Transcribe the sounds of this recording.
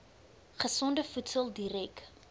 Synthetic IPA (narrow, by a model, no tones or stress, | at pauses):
χəsɔndəfutsəlˠdiɾɛk